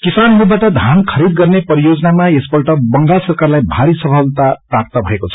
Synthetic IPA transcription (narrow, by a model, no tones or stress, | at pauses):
kisanɾubaʈʌd̪ʱankʰʌɾid̪ɡʌrnepʌɾijod͡zʌnamaesbʌʈʌbʌŋɡasʌrkarlajbʱaɾisʌpʰʌlt̪aprap̚t̪ʌbʱʌekot͡sʰʌ̥